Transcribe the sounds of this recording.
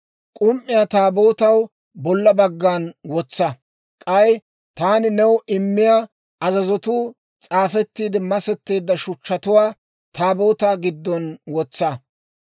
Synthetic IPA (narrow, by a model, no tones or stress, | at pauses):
kʼʊmʔːɪjaːt̪aːboːt̪ɐw | bɔlːɐbɐɡːaːnwɔt͡sːɐ | kʼɐj | t̪aːnɪnɛwʔɪmːɪjaː | ɐzɐzɔt̪uː | t͡sʼaːfɛt̪ːiːd̪ɪmɐsɛt̪ːe̞ːd̪ːɐʃʊt͡ʃːɐt̪ʊwaː | t̪ʰaːbo̞ːt̪aːɡɪd̪ːɔnwɔt͡sːɐ